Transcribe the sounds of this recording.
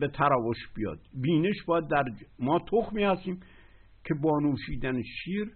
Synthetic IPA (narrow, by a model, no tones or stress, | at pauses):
bet̪ʰæɾɒːvoʃb̥ijɒ̰ːd̪̥biːneʃbɒːjæd̪ːæɾmɒːt̪ʰoxmiːhæst̪iːm | kʰebɒːnuːʃiːd̪æneʃiːɾ